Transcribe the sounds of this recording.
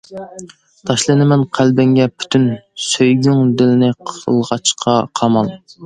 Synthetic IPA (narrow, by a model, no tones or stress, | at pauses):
t̪ʰɑʃlˠɨnɪmɛnqʰælb̪ɪŋɡʲɛpʰy̥t̪ʰynsøjɡʲyŋd̪ɪlɪnɪqʰə̰lˠʁɑt͡ʃqʰɑqʰɑmɑlˠ